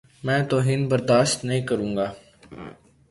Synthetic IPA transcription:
mɛ̃ːt̪oɦɪnbəɾd̪aːʃt̪nəɦĩːkəɾũːŋɡaː

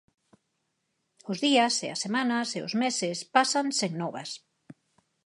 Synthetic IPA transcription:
ʊzðiɐseɐ̰sːemãnɐseo̰zmesɪspasanseŋnɔβɐs

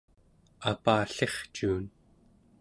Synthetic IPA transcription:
apaːɬe̞χt͡ʃuːn

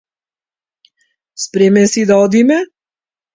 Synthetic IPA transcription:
spɾɛmɛsid̪aɔd̪imɛ

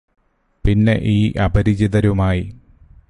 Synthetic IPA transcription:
pinːe̞̰ʔiːʔɐbɐɾid͡ʑiðɐɾumaːji

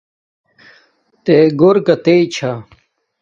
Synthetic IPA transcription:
t̪eɡoɾkɐt̪eit͡ɕʰa

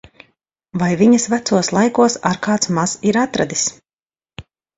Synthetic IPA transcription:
vajviɲɐsvæt̪suɔslˠajkuɔsa̰ɾkaːt̪smaz̥iɾat̪ɾad̪is

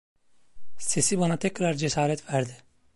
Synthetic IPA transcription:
se̞sibanat̪ʰɛkɾaɾd͡ʒesaːɾɛt̪væɾd̪i

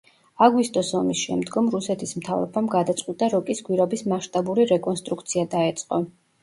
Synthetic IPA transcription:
aɡwist̪ʼɔsɔmisʃɛmd̪ɡɔmɾusɛt̪ʰismt̪ʰavɾɔbamɡad̪at̪sʼqʼwit̪ʼaɾɔkʼisɡwiɾɛbismaʃt̪ʼabuɾiɾɛkʼɔnst̪ʼɾukt̪sʰiad̪aɛt̪sʼqʼɔ

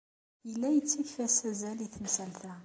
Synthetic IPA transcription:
jəlːæjət͡sːiçfæsæzæliθmsælθæ

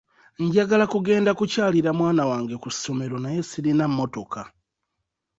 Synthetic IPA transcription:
ɲɟaɡalakuɡe̞ːndakucaːliɾamwaːnawaːŋɡe̞kusomeɾo̞naje̞siɾinamːo̞to̞kʰa

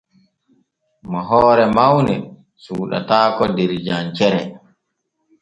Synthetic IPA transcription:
maɦɔːɾɛmawnɛ | suːɗa̰taːkɔdɛɾd͡ʒant͡ʃɛɾɛ

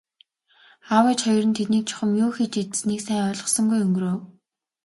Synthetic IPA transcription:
awiːt͡ɕχɔjɞ̆rɘ̆nt̪ʰet̪niːk̚t͡ɕʰʊ̥χə̆mjoːxet͡ɕet̪sniːksæːŋœːɮʁɞ̆sɞ̆ŋɡujɵŋɡɵ̆roːw

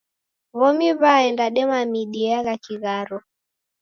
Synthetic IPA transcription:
βɔmiβaɛndaɗɛmamiɗiaɣakiɣaɾɔ

